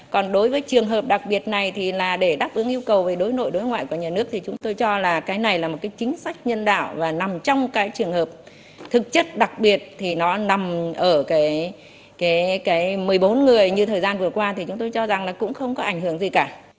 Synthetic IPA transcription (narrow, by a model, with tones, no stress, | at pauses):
kɔ˨˩nɗo˨˦jvəː˨˦jt͡ɕɨ˨˩əŋɦəː˨˩p̚ɗa˨˩k̚ɓi˨˩ət̚na˨˩jt̪ʰi˨˩laː˨˩ɗe˧˩ɗaː˦˥p̚ʔɨ˨˦əŋʔi˧əwkə˨˩wve˨˩ɗo˨˦jno̰˧˨jɗo˨˦jŋwa̰ː˧˨jku˧˩əɲaː˨˩nɨ˦˥ək̚t̪ʰi˨˩t͡ɕʊ˨˦ŋ͡mt̪o˧jt͡ɕɔ˧laː˨˩kaː˨˦jna˨˩jlaː˨˩mo˨˩t̚kaː˨˦jt͡ɕï˨˦ŋ̟sa˦˥jk̟̚ɲə˧nɗa̰ː˧˨wvaː˨˩na˨˩mt͡ɕɔ˧wŋ͡mkaː˨˦jt͡ɕɨ˨˩əŋhəː˨˩p̚ | t̪ʰɨ˨˩k̚t͡ɕə˦˥t̚ɗa˨˩k̚ɓi˨˩ət̚t̪ʰi˨˩nɔ˨˦na˨˩mʔəː˧˩kaː˨˦j | kaː˨˦jkaː˨˦jmɨ˨˩əjɓo˨˦nŋɨ˨˩əjɲɨ˧t̪ʰəː˨˩jzaː˧nvɨ˨˩əkwaː˧t̪ʰi˨˩t͡ɕʊ˨˦ŋ͡mt̪o˧jt͡ɕɔ˧za˨˩ŋlaː˨˩kʊ̰˧˥ŋ͡mxə˧wŋ͡mkɔ˨˦ʔa˧˩ŋhɨ˧˩əŋzi˨˩kaː˧˩